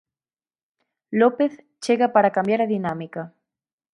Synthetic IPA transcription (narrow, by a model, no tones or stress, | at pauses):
lopeθ | t͡ʃeɣapaɾakambjaɾaðinamika